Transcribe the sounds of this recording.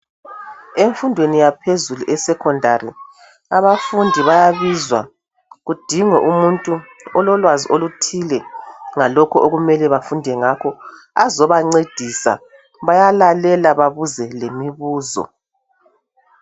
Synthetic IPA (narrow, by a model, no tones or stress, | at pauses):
eɱfundʱwenijapʰezuluʔɛsɛkʰɔndʱarḭ | aβafundʱiβajaβizwa | ɣud̥ʱiŋɛʔumuntʼu | ɔlɔlwaziʔolutʰilɛŋalɔkʰɔʔoɣumɛlɛβafundʱɛŋakʰɔ | azɔβaŋ͡ǀed̥ʱisa̰ | βajalalɛlaβaβuzɛlemiβuːzɔ̰